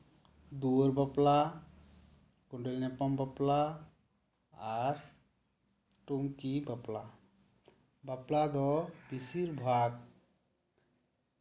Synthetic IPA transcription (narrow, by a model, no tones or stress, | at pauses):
d̪uɾbəpla | kuɳɖelnepəmbəpla | ɾ | ʈumkibəpla | bəplad̪ɔbisiɾbʱaɡ̚